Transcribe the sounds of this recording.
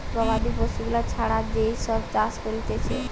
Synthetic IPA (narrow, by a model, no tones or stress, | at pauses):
pɾɔbad̪ipoʃuɡulat͡ɕʰaɽad͡ʑejʃɔbt͡ɕaskoɾit̪et͡ɕʰe